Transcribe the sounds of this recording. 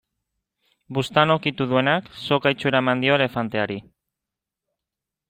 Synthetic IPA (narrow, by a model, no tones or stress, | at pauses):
bust̪ano̞kit̪uðue̞nakso̞kajt͡ʃue̞ɾaemand̪io̞ele̞fant̪e̞aɾi